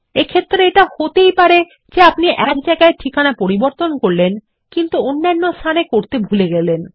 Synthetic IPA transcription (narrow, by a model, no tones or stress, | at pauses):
ekʰet̪ːɾeeʈahot̪ejpaɾe | d͡ʑeapniʔɛat͡ɕakaeʈʰikʰanapoɾiboɾt̪onkoɾlen | kint̪uonːanːost̪ʰanekoɾt̪ebʱuleɡɛlen